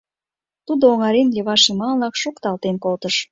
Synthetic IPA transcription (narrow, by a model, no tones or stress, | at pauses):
t̪ud̪ooŋɑɾenlʲeβɑʃimɑllɑkʃokt̪ɑlt̪enkolt̪əʃ